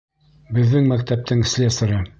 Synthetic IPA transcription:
bɘ̆ðːɘŋmækt̪æp̚t̪ʰɘŋsʲlʲesɤɾɤ

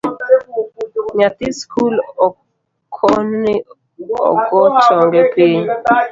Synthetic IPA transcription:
ɲat̪ɪskʰulɔ | kʰɔnnɪ | ɔ̰ɡɔt͡ʃɔŋɡɛpeɲ

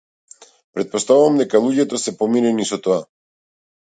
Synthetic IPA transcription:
pɾet̪̚post̪aβomd̪ekaluʎet̪osepominenisot̪oa

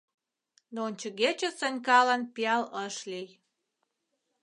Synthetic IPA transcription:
nonʲt͡ɕə̆ɣet͡ɕesənʲkɑlɑnpiɑləʃlij

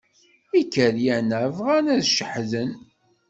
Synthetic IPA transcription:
ikːəɾjænəvʁænæðʃəħðən

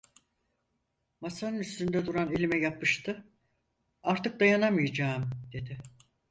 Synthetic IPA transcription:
masanɯnyst̪ynd̪ɛd̪uɾanelʲimɛjapːɯʃt̪ʰɯ | aɾt̪ʰɯk̚d̪ajanamɯjad͡ʒaːmd̪̥e̞d̪ɪ

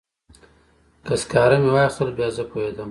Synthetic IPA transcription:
kɐskaːɾɐmewaːjχt̪ɐlbjaːzəpoɦed̪ɐm

